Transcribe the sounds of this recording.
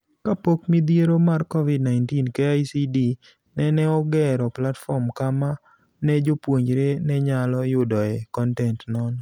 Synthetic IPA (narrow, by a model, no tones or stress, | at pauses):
kapokmid̪jeɾomarkɔvidnaɪntinkeajsidi | nɛnɛɔɡɛɾɔplatfɔɾmkama | nɛd͡ʒopwoɲd͡ʒɾenɛɲalɔjʊdɔɛkɔntɛntnɔn